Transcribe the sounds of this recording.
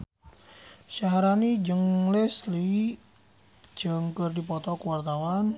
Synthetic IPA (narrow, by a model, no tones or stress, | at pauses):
ʃaɦaɾanid͡ʒəŋlɛsli | d͡ʒ̥əŋkərdipɔt̪ɔkuwart̪awan